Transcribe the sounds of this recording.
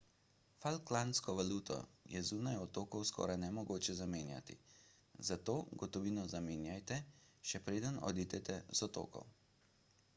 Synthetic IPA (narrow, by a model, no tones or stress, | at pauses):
falklanskɔʋaluːt̪ɔ̰jɛzuːnajɔt̪oːkɔwskʰɔ̰ːɾajnɛmɔɡoːt͡ʃɛzameːnja̰t̪ḭ | zat̪oːɡɔt̪ɔʋiːnɔzameːnjajt̪ɛʃɛpɾeːd̪ənɔ̰d̪iːt̪ɛt̪ɛz̥ɔt̪o̰ːkɔ̰w